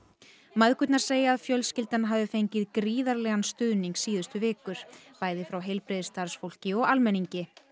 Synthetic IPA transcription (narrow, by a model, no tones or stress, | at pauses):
maðkʏt̪naɾ̥seːjaːðfjœlscɪlt̪anɦavðɪfejɲcɪðkɾiːðaɾlɛɣanst̪ʏðniŋksiːðʏst̪ʏvɪːkʏɾ̥paːjðɪfɾawɦejlpɾɪðɪst̪aɾ̥sfowl̥cɪɔɣalmɛniɲcɪ